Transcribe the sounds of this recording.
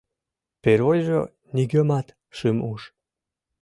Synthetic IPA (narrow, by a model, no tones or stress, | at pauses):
peɾojʒə̰ | niɡømɑt̪ | ʃɨmuʃ